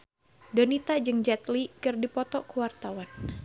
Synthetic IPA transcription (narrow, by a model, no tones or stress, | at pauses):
donit̪ad͡ʒɨŋd͡ʒɛt̪likɨrdipɔt̪ɔkuwart̪awan